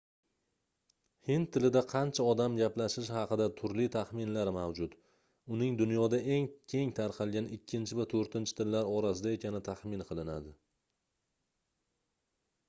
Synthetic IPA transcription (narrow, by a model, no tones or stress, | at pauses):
hɪnt̪ʰːɪlɪd̪aqʰɑnt͡ʃʰaɒd̪amɡʲaplaʃɪʃhɑqɨd̪at̪ʰʊɾlit̪ʰaχmɪnlaɾmawd͡ʒʊt̪ | ʊnɪŋd̪ʊnjɒd̪aʔe̞ŋkʲʰe̞ŋt̪ʰaɾqʰɑlˠɡʲanɪkʲʰːɪnt͡ʃʰɪvat̪ʰɵɾt̪ɪnt͡ʃʰɪ̥t̪ʰɪlːaɾɒɾas̬ɪd̪ae̞kʲʰanɪt̪ʰaχmɪnqʰɨlˠɪnad̪ɪ